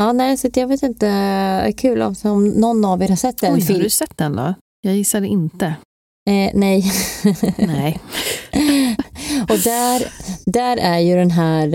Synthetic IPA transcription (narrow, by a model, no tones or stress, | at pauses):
ɑːnɛɪsat̪jɑːɡveːt̪ɪnt̪əæ̰kʰʉ̟ːlɔ̰msɔmnɔnːaveːɾhaɾʂɛt̪ːɛnfɪlsɛt̪ːd̪ɛnd̪ɔ̰ | jɑːɡjɪsːad̪ɛʔɪnt̪ə | nɛj | nɛ | ɔd̪æɾd̪æɾæɾjɵd̪ɛnɦæːɾ